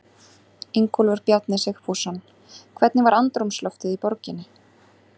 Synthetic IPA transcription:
eŋkʰɔlvʏɾ̥pjaɾt̪nɪsɪxfuːsanː | kʰvɛt̪nɪvaɾant̪ɾumslɔwxt̪ɪðipɔɾcɪnːɪ

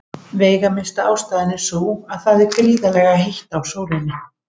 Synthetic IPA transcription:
veːjɣamɪnst̪aaːwst̪aːðɪnɪsoːwaðθaðɛɾkɾiːðalɛɣaɦejht̪awsoːwɾɪnːɪ

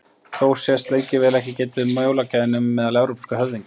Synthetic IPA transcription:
θowsjɛst̪leːjcɪvɛːlɛhcɪcɛːt̪ʏʏmowlacaðɪnʏmːɛðalɛvɾowpskaɦœvðiŋk

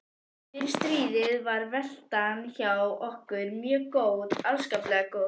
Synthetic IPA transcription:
ɪɾst̪ɾiːðɪðvaɾvɛl̥t̪ançawɔhkʏɾmjœːɣkoːwðalskaːplɛɣako

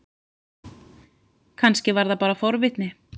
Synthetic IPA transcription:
kʰanscɪvaɾðapaːɾafɔɾvɪht̪nɪ

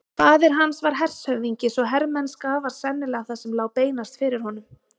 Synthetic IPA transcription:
paːðɪɾ̥ɦansvaɾ̥ɦɛr̥shœɣviɲcɪsɔɦɛɾmɛnːskaːvaɾ̥sɛnːɪlɛɣaθasɛmlaːwpeːjnast̪fɪɾɪɾ̥hɔnʏm

